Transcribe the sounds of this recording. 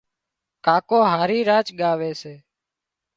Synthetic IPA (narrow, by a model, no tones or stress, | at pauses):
kaːkoːɦaːɾiːɾaːt͡ʃɠaːʋeːseː